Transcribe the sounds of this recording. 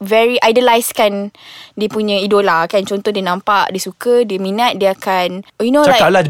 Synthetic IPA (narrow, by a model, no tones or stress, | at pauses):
vɛɹiʔajdilajskandiəpuɲə̃idolakant͡ʃɔnt̪ɔdiənãmpaʔdiəsukədiəmĩnat̪̚diəakanjunolaakala